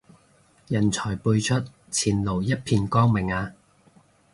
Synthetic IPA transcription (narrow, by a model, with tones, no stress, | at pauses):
jɐ˨˩nt͡sʰɔː˨˩jpuː˧jt͡ʃʰɵ˥t̚ | t͡sʰiː˨˩nlo˨˩wjɐ˥t̚pʰiː˧nkɔː˥ŋmɪ˨˩ŋaː˧